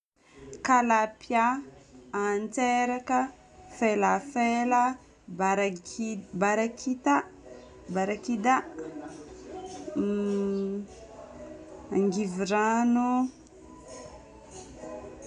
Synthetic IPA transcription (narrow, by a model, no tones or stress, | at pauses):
kalapja | ant͡seɾakə | felafela | ɾ | baɾakʰit̪a | baɾakid̪a | aŋɡiviɾanu